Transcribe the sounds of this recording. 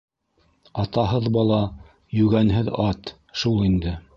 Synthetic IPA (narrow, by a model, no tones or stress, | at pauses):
ɑt̪ɑɦɤðbɑlˠɑ | jʉɡænɦɘðɑt̪ | ʃulˠind̪ɘ